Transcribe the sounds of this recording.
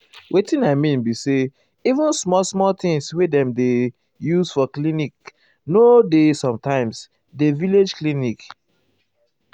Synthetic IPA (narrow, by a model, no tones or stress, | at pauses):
wʔetĩnaɪmĩnbise | ivũnsmɔlsmɔlt̪ɪ̃ŋswedɛ̃mde | juzfɔklinik | nodesɔ̃mtãɪ̃ms | deviled͡ʒklinik